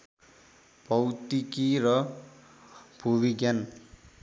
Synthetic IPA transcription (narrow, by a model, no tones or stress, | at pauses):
b̥ʌwt̪ikiɾʌ | b̥ʱubiɡjan